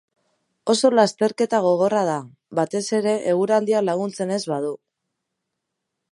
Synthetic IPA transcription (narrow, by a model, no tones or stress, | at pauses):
o̞so̞last̪e̞ɾke̞t̪aɣ̞o̞ɣ̞o̞rað̞a | βat̪e̞se̞ɾe̞ʔeɣuɾand̪ialaɣ̞unt͡se̞ne̞zβað̞u